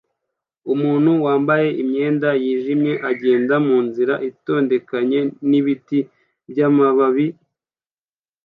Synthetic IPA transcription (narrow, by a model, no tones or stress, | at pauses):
umuːnhuwaːmbaje̞ʔimɲe̞ːndajiːʒimɲe̞ʔaɟe̞ːndamuːnziɾaʔito̞ːnde̞kaɲe̞niβiti | bjamaβaβi